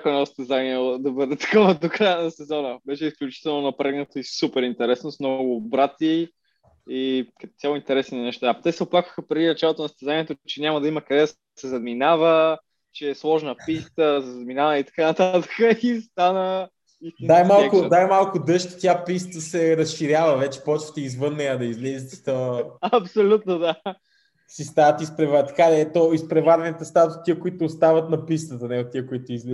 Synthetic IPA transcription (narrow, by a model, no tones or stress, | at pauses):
koɛnɔst̪ɛzaniɛod̪ɐbɤd̪ɛt̪ɐ̥kɔvəd̪okɾajənɐsɛzɔnəbɛʃɛisklʲut͡ʃit̪ɛlˠnonɐpɾɛɡnət̪oisupɛɾint̪ɛɾɛsnosmnɔɡʊbɾat̪i | ikɐt̪t̪sʲalˠint̪ɛɾɛsninɛʃt̪at̪ɛsɛoplˠakvə̥xəpɾɛd̪inɐt͡ʃalˠot̪onɐst̪ɛzaniɛt̪ot͡ʃɛnʲaməd̪ɐiməkɐd̪ɛ | sɛzɐd̪minavə | t͡ʃɛːslˠɔʒnəpist̪əzəzɐd̪minavit̪ɐ̥kanɐt̪at̪ə̥kəist̪anə | inajmalˠkʊnajmalˠkʊd̪ɤʃt̪t̪ʲjapist̪əsɛɾəsʃiɾʲjavəvɛt͡ʃɛ̥pɔt͡ʃvə̥t̪ɛizvɤnːɛjəd̪ɐizlɛzʲit̪i̥t̪ɔɐpsolʲut̪nod̪a | sist̪avət̪ispɾɛvaɾt̪ɐ̥kad̪ɛɛt̪ɔispɾɛvaɾvɛnit̪əst̪at̪ʊt̪iəkʊit̪ʊːst̪avət̪nɐpist̪ət̪ənɛot̪ːiəkoit̪ʊizlɛ